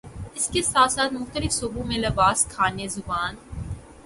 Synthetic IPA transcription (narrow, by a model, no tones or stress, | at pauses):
ɪskesaːt̪saːt̪mʊxt̪əlɪfsubõmẽlɐbaːskʰaːnezʊbaːn